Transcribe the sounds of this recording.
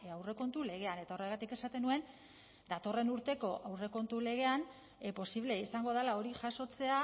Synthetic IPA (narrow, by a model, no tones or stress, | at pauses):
awre̞ko̞nt̪ule̞ɣ̞e̞ane̞t̪ao̞re̞ɣ̞at̪ike̞sat̪e̞nue̞n | d̪at̪o̞re̞nuɾt̪e̞ko̞ʔawre̞ko̞nt̪ule̞ɣ̞e̞an | po̞siβ̞le̞isaŋɡo̞ðalao̞ɾiʝaso̞t͡se̞a